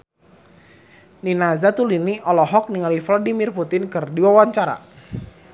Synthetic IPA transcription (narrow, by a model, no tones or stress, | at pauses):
ninazat̪uliniʔɔlɔɦɔk̚niŋaliflɔdimirput̪ɪnkɨrdiwawaɲt͡ʃaɾa̰